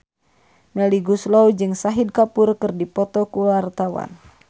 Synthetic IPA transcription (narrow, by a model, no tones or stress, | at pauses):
mɛliɡuslawd͡ʒɨŋsaɦid̚kapurkɨrdipɔt̪ɔkuwart̪awa̰n